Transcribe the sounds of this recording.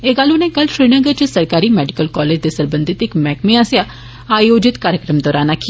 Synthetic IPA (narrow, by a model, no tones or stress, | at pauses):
eːɡaːlʊnẽkɐlʃɾiːnəɡəɾt͡ʃɪsɐɾkaːɾimɛːɖɪkəlkɔːleːd͡ʒd̪esɐɾbə̃nd̪ʱɪt̪ɪkmɛːkmẽaːsja | aːjoːd͡ʒɪt̪kaːɾjəkɾəmd̪ɔːɾaːnaki